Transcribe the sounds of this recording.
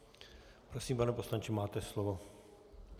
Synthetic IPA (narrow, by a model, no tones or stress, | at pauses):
pɾosiːmpanɛposlant͡ʃimaːt̪ɛslovo